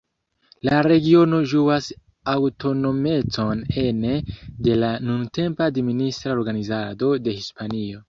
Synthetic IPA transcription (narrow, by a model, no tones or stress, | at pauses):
laɾe̞ɡio̞no̞ʒuas | awto̞no̞me̞t͡so̞ne̞nede̞lanunte̞mpadministɾao̞ɾɡanizado̞de̞hispanio̞